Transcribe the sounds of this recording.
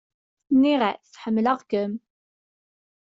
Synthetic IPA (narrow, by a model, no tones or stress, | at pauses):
nːiʁaθθħəmːləʁkəm